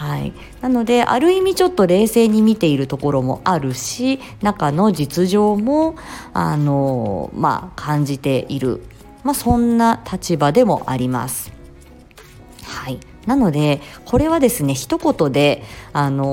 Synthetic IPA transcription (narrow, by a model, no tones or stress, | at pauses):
haḭ | nano̞d̪e̞ʔa̰ɾɯ̟imʲit͡ɕo̞t̪ːo̞ɾe̞ːse̞ːɲ̟imʲit̪e̞iɾɯ̟t̪o̞ko̞ɾo̞mo̞̰ʔaɾɯ̟ɕi | nakano̞d͡ʑit͡sɨʑo̞ːmo̞a̰no̞ma̰kʰãɲ̟d͡ʑit̪e̞ʔiɾɯ̟̰ | masõ̞nːat̪ʰat͡ɕibad̪e̞mo̞̰ʔa̰ɾʲima̰sɨ̥ | hai | nano̞d̪e̞kʰo̞ɾe̞βad̪e̞sɨne̞çi̥t̪o̞ko̞t̪o̞d̪e̞ano̞